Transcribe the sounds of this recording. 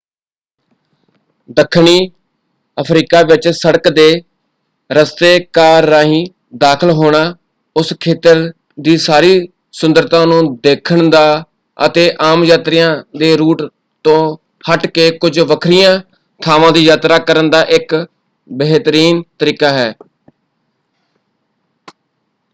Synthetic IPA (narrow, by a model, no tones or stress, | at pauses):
d̪əkʰːɳiː | əpʰɾiːkaːʋɪt͡ʃsəɽəkd̪eː | ɾəst̪eːkaːɾːãːɦĩː | d̪aːkʰəlɦoːɽ̃aː | ʊskʰeːt̪əɾ | d̪iːsaːɾiː | sʊnd̪əɾt̪ãːnũːd̪eːkʰəɳd̪aː | ə̰t̪eːʔaːmjaːt̪ɾɪjãːd̪eːɾuːʈ | t̪õː | həʈkeːkʊd͡ʒʋəkʰɾɪjãː | t̪ʰaːʋãːd̪iːjaːt̪ɾaːkəɾənd̪aːʔɪk | bəɦt̪əɾiːnt̪əɾiːkaːɦɛː